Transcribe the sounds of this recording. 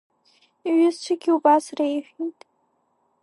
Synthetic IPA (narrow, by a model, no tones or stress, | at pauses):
iɥɪzt͡ʃʷʰɨɡʲiubasrejħʷᶣitʼ